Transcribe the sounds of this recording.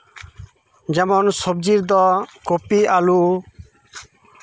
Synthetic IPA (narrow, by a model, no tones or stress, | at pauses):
d͡ʒɛmɔnsɔb̚d͡ʒiɾd̪ɔkopialu